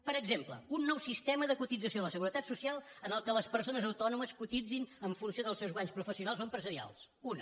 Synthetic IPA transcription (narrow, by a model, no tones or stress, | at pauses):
pəɾəɡzemplə̰unːɔwsist̪ɛməðəkut̪id͡zəsijoləsəɣuɾət̪at̪susialˠənəlˠkələspəɾsonəzəwt̪ɔnuməskut̪id͡zinəɱfunsioðəlˠsɛwzɣwaɲspɾufəsiunalˠzoəmpɾəzəɾia̰lˠs | unə